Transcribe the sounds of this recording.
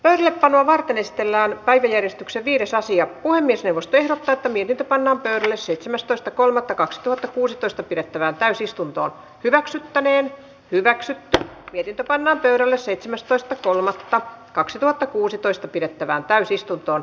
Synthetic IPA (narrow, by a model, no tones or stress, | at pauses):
pøyɾælːeppɑnːˑoɑʋɑrt̪enesi̥t̪elːæːnpæiʋæjærjest̪ykseʋʋiːɾesɑsiɑpuhemːiesnewʋost̪oehɾot̪ːɑːet̪ːæmiet̪int̪øpɑnːɑːmpøyɾælːesseit̪semæst̪oist̪ɑkolmɑt̪ːɑkɑksi̥t̪uhɑt̪ːɑkuːsit̪oist̪ɑpiɾet̪ːæʋæːnt̪æysist̪unt̪o̰ːn | hyʋæksyt̪ːæneːn | hyʋæksyt̪ːymiet̪int̪øpɑnːɑːmpøyɾælːesseit̪semæst̪oist̪ɑkolmɑt̪ːɑkɑksit̪uhɑt̪ːɑkuːsit̪oist̪ɑpiɾet̪ːæʋæːnt̪æysist̪unt̪oːn